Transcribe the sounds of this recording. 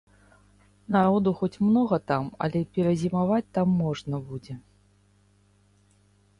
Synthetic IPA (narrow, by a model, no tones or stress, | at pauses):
naɾɔd̪uxɔt͡sʲmnɔɣɐt̪amɐ̰lʲɛpʲɛɾɐzʲimavat͡sʲt̪amːɔʐnɐbud͡zʲɛ